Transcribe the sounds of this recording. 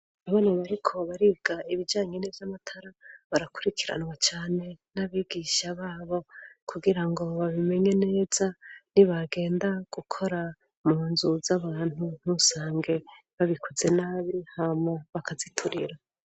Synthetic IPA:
aβonaβaɾikʰo̞βaɾibɡaiβid͡ʒaːɲenevamatʰaɾaβaɾakuɾikʰiɾa̰nwat͡ʃaːne̞naβiːɡiʃaβaːβo̞kʰuɡiɾaŋɡo̞βaβime̞ɲene̞ːz̥aniβaɡe̞ːndaɡ̥ukʰo̞ɾa | muːnzuzaβaːn̥hun̥husaːŋɡe̞ | βaβikʰoze̞naːβihamŋeβakazitʰuɾiɾa

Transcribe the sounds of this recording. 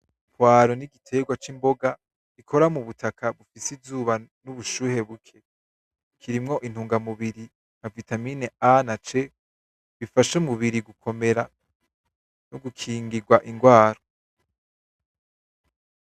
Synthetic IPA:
pwaːɾoniɡitʰe̞ɡwat͡ʃimbo̞ɡa | ikʰo̞ɾamuβutʰakʰaβufisivzuːβanuβuʃuːhe̞βukʰe | kʰiɾimŋo̞ʔin̥huːŋɡamuβiɾi | navitamineanat͡ʃe | βifaʃemuβiɾiɡukʰo̞me̞ɾa | noɡukʰiːŋɡiɡwaʔiŋɡwaːɾo

